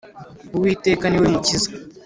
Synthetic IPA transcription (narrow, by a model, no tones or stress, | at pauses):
uwiːteːkanewemucizḁ